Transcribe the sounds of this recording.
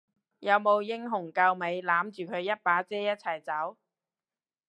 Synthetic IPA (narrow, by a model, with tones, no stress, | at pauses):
jɐ˨˧wmo˨˧wjɪ˥ŋɦʊ˨˩ŋkɐ˧wme˨˧jlaː˨˥mt͡ʃyː˨kʰɵ˨˧ɥjɐ˥t̚paː˨˥t͡sɛː˥jɐ˥t̚t͡sʰɐ˨˩jt͡sɐ˨˥w